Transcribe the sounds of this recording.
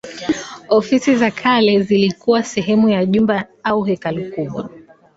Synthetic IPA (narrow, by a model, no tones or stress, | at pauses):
ɔfisizakʰalɛzilikuwasɛɦɛmujaʄumbaauɦɛkalukuɓwa̰